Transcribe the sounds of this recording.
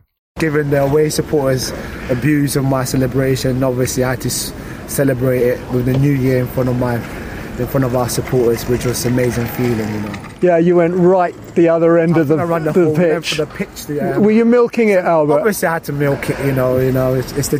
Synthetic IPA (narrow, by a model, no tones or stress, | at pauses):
ɡ̥ɪvə̃nðəəweɪsəpʰɔɹtəzəbjʉːzəvmaɪsɛlɨbɹeɪʃə̃nɒbviəsliaɪəd̚tʰəs | sɛləbɹeɪtɪʔ̚wɪðɨnjʉːjɪəɹɪ̃nfɹʌ̃ntəvmaɪ | ɪ̃nfɹʌ̃ntəvaʊəsəpʰɔˑtəzwɪd͡ʒʌsəmeɪzɪ̃ŋfiːlɪ̃ŋjɨnoʊ | jæjəwɛ̃nʔɹaɪʔ | ðiʌðə˞ɛ̃ndəvðəɹʌ̃nəðəpʰɪɛ̃nt͡ʃfəðəpʰɪt͡ʃðiwəjəmɪlˠkɪ̃ŋɪtalˠbəɒ˞bviəsliaɪhəd̚tʰəmɪlˠkʰɪʔjɨnoʊjɨnoʊɪtsɪtsðə